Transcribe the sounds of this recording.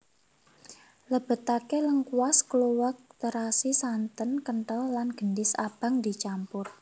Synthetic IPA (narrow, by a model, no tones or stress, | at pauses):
ləb̥ə̤t̪akeləŋkuaskluwak̚t̪əɾasisant̪ənkəɳʈəllanɡ̥ənɖɪsa̰b̥a̤ŋd̪i̤t͡ʃampʊr